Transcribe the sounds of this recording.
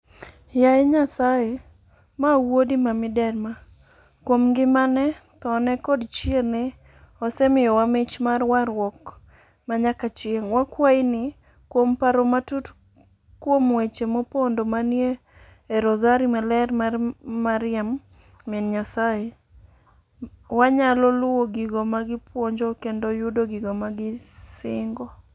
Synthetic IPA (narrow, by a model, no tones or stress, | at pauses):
jajeɲasaje | mawodimamɪdɛrma | kwomɡɪmanɛt̪ɔnɛkɔdt͡ʃene | ɔsɛmɪjɔwamɪt͡ʃmarwaɾwɔk | maɲakat͡ʃeŋwakwainɪ | kwompaɾomatut | kwomwet͡ʃemopondomanjeː | ɾɔzaɾimalɛrmamːaɾɪamː | inɲasaje | waɲalɔlʊwoɡiɡomaɡɪpwoɲd͡ʒɔkendojʊdoɡɪɡomaɡɪsɪŋɡɔ